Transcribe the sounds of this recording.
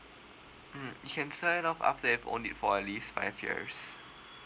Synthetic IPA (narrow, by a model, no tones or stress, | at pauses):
m̩jukʰɛ̃nsənɔfa̰ftəɛvõ̰nitfɔɛtliːstfa̰ɪvjḭs